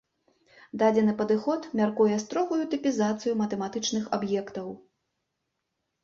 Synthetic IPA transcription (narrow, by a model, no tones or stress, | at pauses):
d̪ad͡zʲɛnɨpɐd̪ɨxɔt̪mʲarkujɛst̪ɾɔɣujut̪ɨpʲizat̪sɨjumɐt̪ɛmat̪ɨt͡ʂnɨxabjɛkt̪ɐw